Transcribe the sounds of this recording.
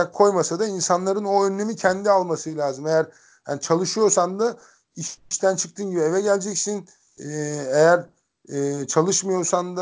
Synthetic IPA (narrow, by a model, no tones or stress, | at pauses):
akʰːo̞jmasad̪ainsanlˠaɾɯno̞ønːe̞micʰɛnd̪ialˠmasɯlʲaːzɯmejæɾ̥ | hanit͡ʃʰalˠɯʃɯjo̞ɾsand̪a | iʃʃt̪ʰænt͡ʃʰɯk̚t̪ʰɯːnɟibie̞vɛɟælʲd͡ʒɛcsin | ejæɾ | t͡ʃʰalˠɯʃmɯjo̞ɾsand̪a